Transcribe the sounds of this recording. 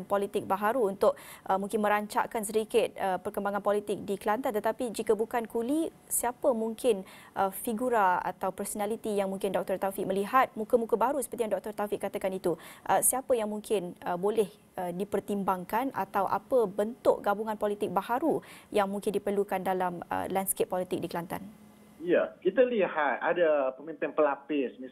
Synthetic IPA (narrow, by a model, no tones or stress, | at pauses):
npɔlit̪ɪk̚baɦaɾuunt̪ʊk̚ʔəmũŋkɪnmə̃ɾaɲt͡ʃa̰kans̬əɾikɪt̪̚əpərkəmbaŋanpɔlit̪ɪk̚dikəlant̪at̪ət̪apid͡ʒikəbukankuli | siapəmuŋkɪnʔəfiɡuɾaa̰t̪awpərsonalit̪ijaŋmuŋkɪndɔk̚t̪ɔrt̪afiʔ̚məliɦat̪̚mũkəmũkəbaɾusə̥pərt̪ijaŋdɔk̚t̪ɔrt̪afiʔkːat̪akanit̪uʔəsiapəjaŋmũŋkʰɪnəbolɛh | ədipərt̪imbaŋkana̰t̪awʔa̰pəbənt̪ʊʔɡabuŋanpɔlit̪ɪk̚bahaɾujaŋmuŋkɪndipərlukandalamə̰lanskepːɔlit̪ɪk̚dikəlant̪a̰n | jakit̪alihat̪̚adapəmĩmpɪnpəlapɪsmi